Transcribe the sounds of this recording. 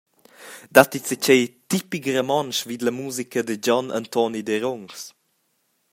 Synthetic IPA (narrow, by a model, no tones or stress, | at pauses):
d̪at̪it͡sət͡ɕejt̪ipikɾəmɔnʃvid̪ləmuːzikəd̪əd͡ʑɔnʔa̰nt̪ɔnid̪eɾɔŋs